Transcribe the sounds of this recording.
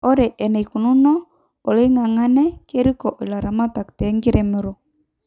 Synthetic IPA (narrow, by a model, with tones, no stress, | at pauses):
ɔ˦ɾɛ˨ʔɛ˨nɛ˨i˨ku˨nu˦nɔ˦ | ɔ˨le˦ŋa˨ŋa˦nɛ˦ke˦ɾi˦kɔ˨ʔi˨la˨ɾa˨ma˦ta˨ktɛ˨˦ŋɡi˦ɾɛ˨mɛ˨ɾɔ˨